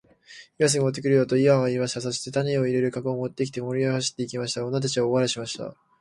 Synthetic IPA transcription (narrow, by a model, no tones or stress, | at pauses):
imas̬ɨɡot̪̬ːekiɾɯ̟jot̪o̞iβaɡaiːmaɕit̪aso̞ɕi̥t̪e̞t̪aɲʲio̞iɾe̞ɾɯ̟kakoːmo̞t̪ːe̞kʲi̥t̪e̞mo̞ɾʲiahaɕi̥t̪ːe̞ikʲimaɕi̥t̪aonat̪̬at͡ɕiβaoβaɾaɕimaɕi̥t̪a̰